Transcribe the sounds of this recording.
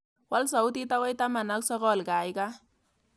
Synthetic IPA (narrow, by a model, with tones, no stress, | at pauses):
wa˦ls̬a˨ʊ˦ti˦ta˦wa˦jta˦ma˨na˦k̚sɔ˦kɔ˦˨lka˨jka˦